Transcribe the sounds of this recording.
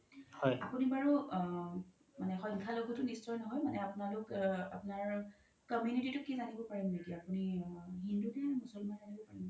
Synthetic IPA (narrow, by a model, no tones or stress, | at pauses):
hɔja̰punibaɹu | manɛxɔ̃jŋkʰaloɡɔtʊnistɹɔjnɔɦɔjmanɛapʊnalʊka̰pʊnaɹ | kɔmjunititʊkɛzanibɔpaɹimetijaapuniɦindukɛamusɔlmanzanibɔpaɹim